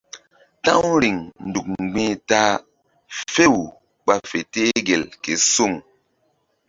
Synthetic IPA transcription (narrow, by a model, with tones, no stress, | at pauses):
tã˦ŋ˦ɾi˨ŋn̩˨du˨k̚ŋ͡mŋ͡mɡ͡bi˦ta˦ | fe˦w | k͡pa˦fe˨te˦ɡe˨lke˨su˦˨ŋ